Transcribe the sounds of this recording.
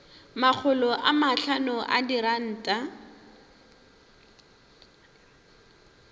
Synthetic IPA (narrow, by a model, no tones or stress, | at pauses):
mak͡xʰʊlɔʔamaɬanʊʔa̰diɾan̩ːtʼa